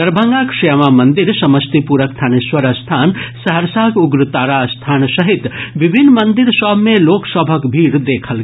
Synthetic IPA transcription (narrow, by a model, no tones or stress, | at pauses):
əɾbʱəŋɡakʂemamənd̪iɾsɐməst̪ipuɾəkt̪ʰaniswəɾəst̪ʰansəɦəɾsakuɡɾət̪aɾast̪ʰansəɦit̪bibʱinːmənd̪iɾsəbmeloksəbʱəkbʱiɽd̪ekʰəlɡ